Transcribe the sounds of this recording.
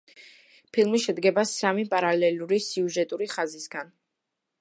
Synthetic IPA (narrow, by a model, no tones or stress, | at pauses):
pʰilˠmiʃɛd̪ɡɛbasamipʼaɾalɛluɾisiuʒɛt̪ʼuɾiχazisɡan